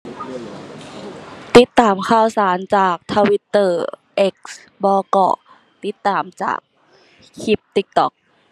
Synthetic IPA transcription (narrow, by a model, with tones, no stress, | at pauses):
t̪i˧˦˩t̪ːaː˨˩mkʰaː˧˩wsaː˩˦nt͡ɕaː˨˩k̚t̪ʰa˧wi˧˥t̪ːɤː˧˩ʔe˦˥k̚s | bɔː˧kɔ̰ː˧˩ | t̪i˧˥˦t̪ːaː˨˩mt͡ɕa̰ː˨˩k̚ | hʰi˧˦p̚t̪i˧˥k̚t̪ɔ˧˩k̚